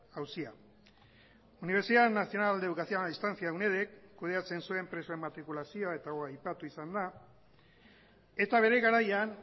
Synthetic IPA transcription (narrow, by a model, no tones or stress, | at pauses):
awsia | uniβ̞e̞ɾsiðanasio̞nald̪e̞ukasioaist̪ant͡siawne̞ð̞ekːuð̞e̞at͡se̞nsue̞mpɾe̞suemat̪ɾikulasio̞ae̞t̪aɣoajpat̪uisand̪a | e̞t̪aβ̞e̞ɾe̞ɣaɾajan